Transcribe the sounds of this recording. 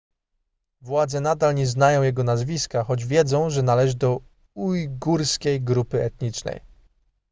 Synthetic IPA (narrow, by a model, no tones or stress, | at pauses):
vwad̪zɛnad̪alɲɛznajɔ̃w̃jɛɡɔnazvʲiskaxɔd͡ʑvʲjɛd̪zɔ̃w̃ʐɛnalɛʐɘd̪ɔ | ujɡuɾskʲejɡɾupɘɛt̪ɲit͡ʂnɛ̰j